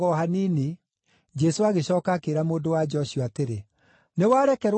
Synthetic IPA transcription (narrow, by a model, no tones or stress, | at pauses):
ɔɦanini | d͡ʒɛsoaɣeɕɔːkakeɾamoːdowad͡ʒɔɕiɔateɾe | newaːɾɛkɛɾw